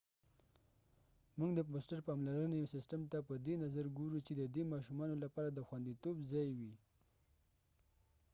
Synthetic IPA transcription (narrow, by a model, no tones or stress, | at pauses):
muɡd̪əbosʈaɾpɑmlaɾənejsɪsʈamt̪apəd̪enazaɾɡoɾut͡ʃed̪əd̪emɑʃumɑnolapɑɾad̪əxwand̪it̪obzɑjwi